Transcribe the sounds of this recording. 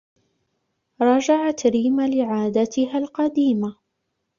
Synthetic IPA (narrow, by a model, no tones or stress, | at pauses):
ɾˤɑːd͡ʒaʕat̪ɾiːmalɪʕaːd̪at̪ɪɦalqɑd̪iːma